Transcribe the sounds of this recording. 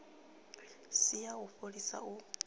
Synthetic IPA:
sijauɸoɺisa̰u

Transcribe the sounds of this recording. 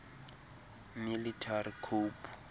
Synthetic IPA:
militʰarikʰuːpʰʼu̥

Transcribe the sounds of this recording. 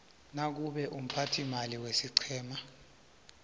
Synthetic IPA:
nak̬uɓɛʔum̩pʰatʰimaliwesiǀʰɛːma

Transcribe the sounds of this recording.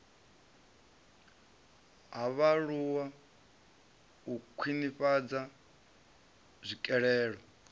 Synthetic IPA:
ɦaβaɺuwa | ukʷʰwiniɸad͡za | zʷikʼɛɺɛːɺɔ

